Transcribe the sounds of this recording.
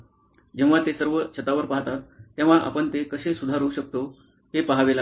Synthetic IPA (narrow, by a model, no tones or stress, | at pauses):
d͡ʑẽʋ̤̃ʋat̪esəɾʋəɕət̪aʋəɾpaɦt̪at̪ːẽʋ̤aʔa̰pəɳt̪ekəɕesud̪ʱaɾəuɕək̚t̪o | t̪epaɦʋela